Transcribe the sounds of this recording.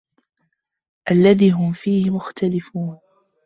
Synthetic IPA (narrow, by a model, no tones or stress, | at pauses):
ʔalːaðiːɦʊmfiːhɪmʊxt̪alɪfuːn